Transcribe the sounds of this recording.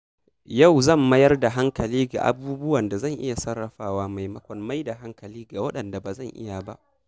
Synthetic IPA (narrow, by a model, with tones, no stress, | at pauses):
ja˦˨wzɐ˦˨mːɐ˦jɐ˦rda˨ɦa˦ŋkɐ˨liː˦ɡa̰˨ʔa̰˨buː˦bʊ˦wɐ˨nda˨zɐ˦˨ŋʔɪ̰˦ja˨sɐ˦rːɐ˨ɸaː˦waː˦ma˨jmɐ˦kʷɔ˨mma˦jda˨ɦa˦ŋkɐ˨liː˦ɡa˨wɐ˦ɗɐ˨nda˨ba˨zɐ˦˨ŋʔɪ̰˦ja˨ba̰˦ʔ